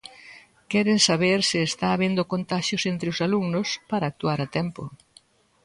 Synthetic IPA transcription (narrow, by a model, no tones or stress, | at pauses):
kɛɾensaβeɾsɪest̪aːβend̪okont̪aʃjosent̪ɾɪʊsaluŋnʊspaɾaːk̚t̪uaɾat̪ɛmpo̰